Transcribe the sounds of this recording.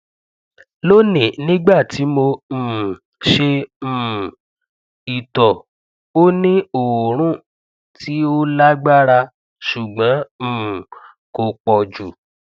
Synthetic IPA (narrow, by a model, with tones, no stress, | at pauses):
lo˦nĩ˨nĩ˦ɡ͡ba˦˨ti˨˦mõ˧˦˨ | ʃe˧m̩̃˨ | i˨tɔ˨ | o˦nĩ˦o˨wo˨ɾ̃ũ˦ | tʰi˨˦o˦la˦ɡ͡ba˦ɾa˧ | ʃu˨ɡ͡bã˨˦m̩̃˦˨ | ko˧k͡pɔ˨d͡ʒu˨